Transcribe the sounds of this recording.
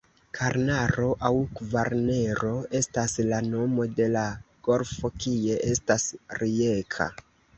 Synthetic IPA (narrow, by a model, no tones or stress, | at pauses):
kʰaɾnaɾo̞ʔawkvaɾne̞ɾo̞e̞staslano̞mo̞de̞laɡ̥o̞ɾfo̞kie̞ʔe̞stasɾiekʰa̰